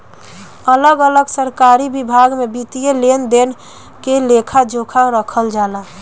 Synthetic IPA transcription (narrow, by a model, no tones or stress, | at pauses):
ələɡələɡsəɾkaɾibibʱaɡmebit̪ijelend̪en | kelekʰad͡ʒokʰaɾəkʰəld͡ʒala